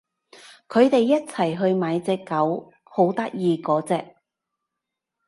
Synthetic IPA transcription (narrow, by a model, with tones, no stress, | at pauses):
kʰɵ˨˧ɥt̪e˨jːɐ˥t̚t͡sʰɐ˨˩jɦɵ˧ɥmaː˨˧˥jt͡sɛː˧kːɐ˨˥w | ho˨˥wt̪ɐ˥k̚jiː˧kɔː˨˥t͡sɛː˧k̚